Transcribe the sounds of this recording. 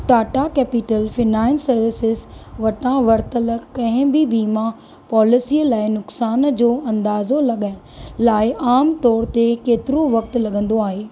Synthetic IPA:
ʈaːʈakɛːpɪʈəlfɪnaːɪnsɐɾʋɪsɪzʋɐʈãʋɐɾt̪ələkɐ̃ɦɪ̃bɪbʱiːmã | pɔːlɪsiːəlaːɪnʊksaːnd͡ʑoːɐ̃nd̪aːzolɐɠaːɪ̃laːɪʔaːmt̪ɔːɾt̪ekeːt̪ɪɾoʋɐkt̪ʊ̆lɐɠə̃nd̪oaːɦeː

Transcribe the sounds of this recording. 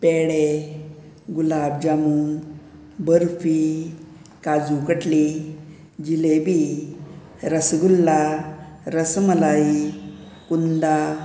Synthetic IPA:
peɽe | ɡulab̚d͡ʑamuŋ | bəɾfi | kad͡zukəʈli | d͡ʑilebi | ɾəsɡulːa | ɾəsməlai | kund̪a

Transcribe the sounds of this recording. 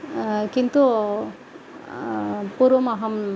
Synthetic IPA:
kint̪u | puɾomaɦɐm

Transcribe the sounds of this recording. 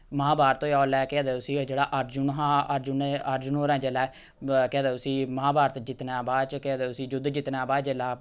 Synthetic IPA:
mãːbaːɾt̪õɔːlɛːkɪd̪eːʊsĩːd͡ʒeːɽaːʔəɾd͡ʒʊnɦãːəɾd͡ʒʊnəɾd͡ʒʊnoːɾɛ̃ːd͡ʒelɛː | keːd̪eːʊsĩːmãːbaːɾt̪d͡ʒɪt̪nãːbaːd̪t͡ʃked̪eːʊsĩːd͡ʒʊd̪d͡ʒɪt̪nãːbaːd̪d͡ʒelaː

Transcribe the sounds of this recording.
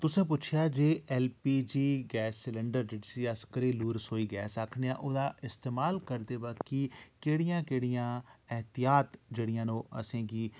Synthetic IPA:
t̪ʊsẽːp̬ʊt͡ʃʰɪjaːd͡ʒeːɛːlpiːd͡ʒiːɡɛːsːɪləɳɖəɾd͡ʒɪʈsiːəskəɾeːluːɾsoːiːɡɛːsaːkʰneːã̰ːʔoːd̪aːɪst̪eːmaːlkəɾd̪eːbaːkːiːkeːɽɪjãːkeːɽɪjãːɛɦt̪ɪjaːt̪d͡ʒeːɽɪjãːnõːə̰sẽːkiː

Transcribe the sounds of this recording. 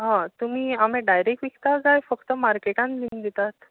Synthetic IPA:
ɦãt̪um̤iːam̤ẽɖajɾek̚ʈʋikt̪aɡajfəkt̪əmaɾkeʈãnlind̪it̪at̪

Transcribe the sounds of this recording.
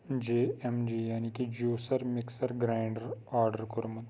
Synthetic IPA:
d͡ʒeemd͡ʒijaːnikid͡ʒjuːsəɾmɪksəɾɡɾaɪɳɖəɾaɾɖəɾkoɾumɐt̪

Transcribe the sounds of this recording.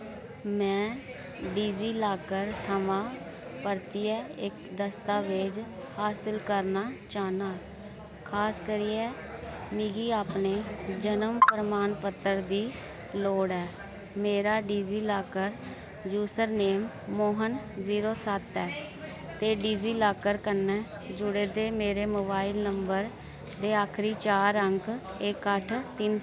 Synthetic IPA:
mɛ̃ː | ɖiːziːlaːkəɾt̪ʰəʋãː | pəɾt̪iːɛːɪkd̪əst̪aːʋed͡ʒ | haːsəlkəɾnaːt͡ʃaːnaː | kʰaːskəɾiːɛː | mɪɡiːaːpneːd͡ʒənəmpəɾmaːnpət̪ːəɾd̪iː | loːɽɛː | meːɾaːɖiːziːlaːkəɾ | d͡ʒuːsəɾneːmː | oːɦənziːɾoːsət̪ɛː | t̪eːɖiːziːlaːkəɾkənɛː | d͡ʒʊɽeːd̪eːmeːɾeːmoːbaːilnəmbəɾ | d̪eːaːkʰɾiːt͡ʃaːɾəŋkɪkːəʈʰt̪ɪn

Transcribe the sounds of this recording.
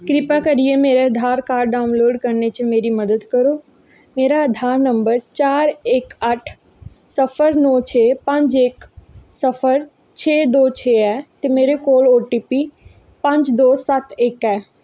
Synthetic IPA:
kɾɪpakɐɾiemeːɾeɐd̪ʱaːɾkaːɾɖɖaːʊnloːɖkɐɾnet͡ɕimeːɾimɐd̪əd̪kɐɾoː | meːɾaɐd̪ʱaːɾnɐ̃mbəɾt͡ɕaːɾeːkɐʈʰ | sɐfəɾnɔt͡ɕʰeːpɐ̃ɲd͡ʑeːksɐfəɾ | t͡ɕʰeːd̪oːt͡ɕʰeːɛːt̪ɐmeːɾekoːloːʈipi | pɐ̃ɲd͡ʑd̪oːsɐt̪ʰeːkɛː

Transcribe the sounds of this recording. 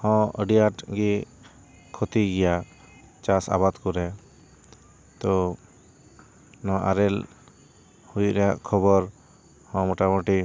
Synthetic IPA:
hɔ̃ə̰ɖijaʈɡi | kʰɔt̪iɡɛja | t͡ʃasa̰bad̪kuɾɛ | t̪ɔ | nɔ̃ʔaɾɛl | hujɾɛjaʔkʰɔbɔɾ | hɔ̃mɔʈamɔʈi

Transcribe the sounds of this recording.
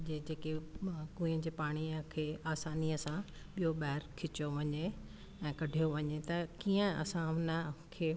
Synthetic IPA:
d͡ʑeːd͡ʑeːkekũːĩə̃d͡ʑeːpaːɽ̃ikʰeːaːsaːniəsã | ɓijoɓɛɦɪɾkʰɪt͡ɕoʋɐɲe | ɛ̃ːkɐɖʱijoʋɐɲet̪ɐkiːə̃ɐ̰sãʊnə̆kʰeː

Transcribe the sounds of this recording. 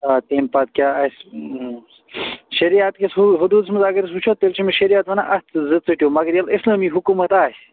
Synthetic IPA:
at̪eːmpat̪̚kʲjaːɐs | ʃɐɾiaːt̪kesɦɦud̪uːd̪smɐzaːɡɐɾisut͡ʃʰoːt̪t̪ːelt͡ʃʰimiʃɐɾijaːt̪ʋɐna̰ʔɐt̪zɨd̪̚t͡sɨʈijoːmɐɡɐɾjɐlislaːmiɦukumɐt̪aː

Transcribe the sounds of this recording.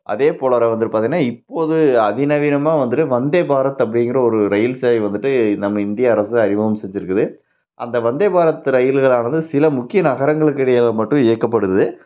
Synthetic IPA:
ʔɐ̰ðeːpoːɭɐːɾɛʋɐnd̪ɯʈːɯpaːt̪iŋɡɐnaːɪpːoːðɯɐðɪnɐʋinɐmaːʋɐnd̪ɯʈːɯʋɐnd̪eːbaːɾɐt̪ːɐp̬ːɐɽɪŋɡɪɾɐɔɾɯɾɐjɪlsaːiʋɐnd̪ɯʈːɯnɐmːɐɪnd̪ɪjɐːɾɐsɯɐɾɪʋɐʋɐmsɛɲd͡ʒɪɾɯkːɯðɯ | ʔɐ̰nd̪ɐʋɐnd̪eːbaːɾɐt̪ːɯɾɐjɪlɣɐɭaːnɐðɯsɪlɐmʊkːɪjɐnɐɣɐɾɐŋɡɐɭɯkːɪɽɛjalɐmɐʈːʊ̃ɪjɐkːɐpːɐɽɯʋðɯ

